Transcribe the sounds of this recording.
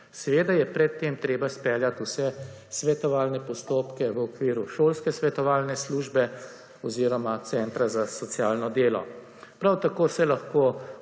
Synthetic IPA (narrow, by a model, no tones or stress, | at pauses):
sɛʋeːd̪ajɛpɾɛt̪ːeːmt̪ɾeːbaspɛljat̪usɛ | sʋɛt̪ɔʋaːlnɛpɔst̪oːpkɛʋəɔkʋiːɾuʃoːlskɛsʋɛt̪ɔʋaːlnɛsluːʒbɛ | ɔziːɾɔmat̪sɛnt̪ɾazasɔt̪sjaːlnɔd̪eːlɔ̰ | pɾawt̪akoːsɛlaxko